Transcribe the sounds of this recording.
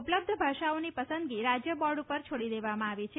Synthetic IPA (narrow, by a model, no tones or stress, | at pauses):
upləb̚d̪ʱəbʱaʃaonipəsə̃nd̪ɡiɾad͡ʒjəbɔɾɖupəɾt͡ʃʰoɽid̪eʋamãaʋie